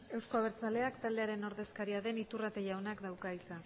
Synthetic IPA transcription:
e̞wsko̞aβeɾt͡sale̞akt̪ald̪e̞aɾe̞no̞ɾðe̞skaɾiaðe̞nit̪urat̪eʝawnakd̪awkaisa

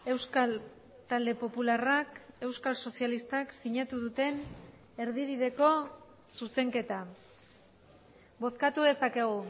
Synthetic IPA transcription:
e̞wskal | t̪ald̪e̞po̞pularake̞wskalso̞sialist̪aksiɲat̪uðut̪e̞n | e̞ɾðiβiðe̞ko̞ | suse̞ŋke̞t̪a | bo̞skat̪uðe̞sake̞ɣ̞u

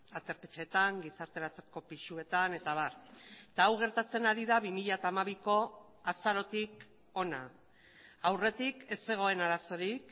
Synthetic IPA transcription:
at̪e̞ɾpet͡ʃe̞t̪aŋɡisaɾt̪e̞ɾat͡seko̞piʃue̞t̪ane̞t̪aβart̪aːwɣ̞e̞ɾt̪at͡se̞naɾiðaβimiʎat̪aːmaβiko̞ | asaɾo̞t̪ik | o̞na̰ | awre̞t̪ike̞se̞ɣ̞o̞e̞naɾaso̞ɾik

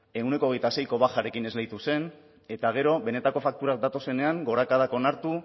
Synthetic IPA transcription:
e̞une̞koɣe̞jt̪ase̞jko̞βaxaɾe̞kine̞zlejt̪use̞n | e̞t̪aɣ̞e̞ɾo̞βe̞ne̞t̪ako̞fak̚t̪uɾak̚d̪at̪o̞se̞ne̞aŋɡo̞ɾakaðako̞naɾt̪u

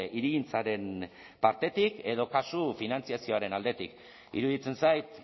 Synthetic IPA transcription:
iɾiɣint͡saɾe̞n | paɾt̪e̞t̪ike̞ð̞o̞kasufinant͡siasio̞aɾe̞nald̪e̞t̪ik | ḭɾuðit͡se̞nsajt̪

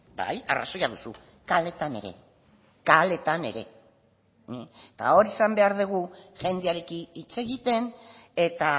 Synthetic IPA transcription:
ba̰ja̰ra̰sojaðusu | kale̞t̪ane̞̰ɾe̞̰ | kale̞t̪ane̞̰ɾe̞ | t̪a̰o̞ɾisambe̞aɾðeɣ̞uʝe̞nd̪eaɾe̞kinit͡se̞ɣit̪e̞ne̞t̪a

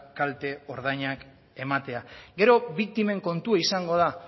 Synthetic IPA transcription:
kalt̪e̞o̞ɾð̞ajɲak | e̞mat̪e̞aɡe̞ɾo̞βik̚t̪ime̞ŋko̞nt̪uaisaŋɡo̞ð̞a

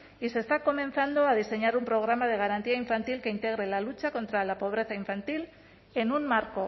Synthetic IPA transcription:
ise̞st̪ako̞mẽ̞n̟θand̪o̞að̞ise̞ɲaɾumpɾo̞ɣ̞ɾamað̞e̞ɣ̞aɾant̪iaiɱfant̪ilke̞int̪e̞ɣ̞ɾe̞lalut͡ʃako̞nt̪ɾalapo̞β̞ɾe̞θaiɱfant̪il | e̞nunmaɾko

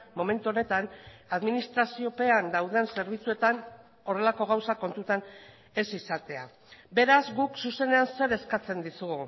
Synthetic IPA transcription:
mo̞me̞nt̪uo̞ne̞t̪anaðminist̪ɾasio̞pe̞and̪awðe̞nse̞ɾβ̞it͡sue̞t̪an | o̞re̞lako̞ɣ̞awsako̞nt̪ut̪an | e̞sisat̪e̞a | be̞ɾazɡuksuse̞ne̞anse̞ɾe̞skat͡se̞nd̪isuɣu

